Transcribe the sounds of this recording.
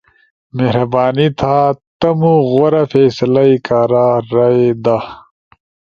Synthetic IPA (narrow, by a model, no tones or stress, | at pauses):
meɦɾɐbaːnit̪ʰat̪ɐmuɣoɾɐfeːslɐikaːɾaːɾɐed̪a